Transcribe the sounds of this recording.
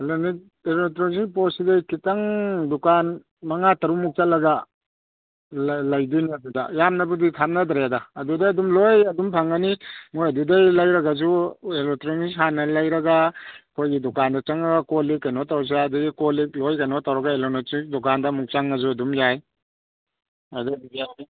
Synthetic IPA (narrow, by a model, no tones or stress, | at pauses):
eloni | elotɾosik̚posidajkitɐŋdukan | mɐŋatɐɾumuk̚t͡ʃalːɐɡa | llɐjdiniɐdudɐjamnɐbɐditʰamnɐd̪ɾeadɐːdudaɐdumlojɐdumpʰaŋanimojɐdudajlajɾɐɡazuelotɾiŋisanɐlɐjɾɐɡakʰojɡidukandɐt͡ʃɐŋɐɡakolikajnɔtaws̬iadiɡikolik̚lojkajnɔtawɾɐɡaelonotik̚dukandɐmuk̚t͡ʃaŋɐzuɐdumjaj | adadija